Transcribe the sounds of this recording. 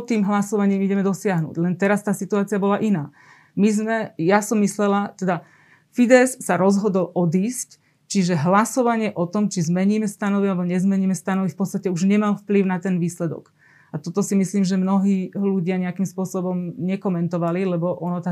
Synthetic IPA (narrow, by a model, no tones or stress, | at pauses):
t̪iːmɦlasɔʋaɲiːmiɟɛmɛd̪ɔsɪaɦnṵːɟlɛnt̪ɛɾast̪aːsit̪uaːt͡siabɔlaʔinaː | mizmɛjasɔmːislɛlat̪ɛd̪a | fid̪ɛsːaɾɔzɦɔd̪ɔlʔɔd̪iːsc | t͡ʃiʒɛɦlasɔʋaɲɪɛʔɔt̪ɔmt͡ʃizmɛɲiːmɛst̪anɔʋialɛbɔɲɛzmɛɲiːmɛst̪anɔʋifpɔtt͡sst̪acɛuʒɲɛmalfpliʊnat̪ɛnʋiːslɛd̪ɔ̰ɡ | at̪ɔt̪ɔsimisliːmʒɛmnɔɦiːluɟɪaɲɛakimspʊɔsɔbɔmɲɛkɔmɛnt̪ɔʋalilɛbɔʔɔnɔt̪a